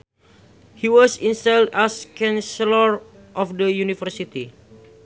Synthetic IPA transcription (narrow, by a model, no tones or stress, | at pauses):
hiwɔsĩnsaldaskãnsɛlər | ʔɔfdəjunifərsit̪i